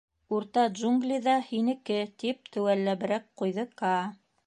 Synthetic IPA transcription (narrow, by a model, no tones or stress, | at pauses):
uɾt̪ɑd̪d͡ʒuŋɡlʲiðɑhinɘ̆kɘt̪ip̚t̪ɘ̆wælːæβɘ̆ɾæk̚qujðɤkɑ